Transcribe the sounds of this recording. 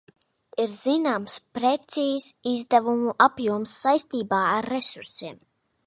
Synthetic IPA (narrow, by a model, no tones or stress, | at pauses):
iɾz̥inaːmspɾet̪siːsizd̪avumuʔapjuɔmsːajst̪iːbaːaɾːesuɾsiɛm